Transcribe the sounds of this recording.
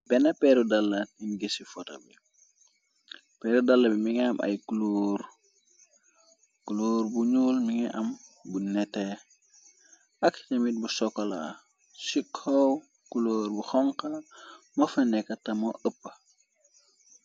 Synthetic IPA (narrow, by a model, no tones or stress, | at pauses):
bɛnɐpɛɾudɐlːɐninɡesifɔtɐ̰bi | pɛːɾudɐlːɐbimiŋɛɐmʔɐ̰jkuloːr | kuloːrbuɲuːlmiŋɛʔɐmbunɛtɛ | ʔɐktɐmit̚busɔkːɔla̰ | sikʰɔw | kuloːɾbuxɔŋkɐmɐfɐnɛkːɐtɐmɔʔəpːɐ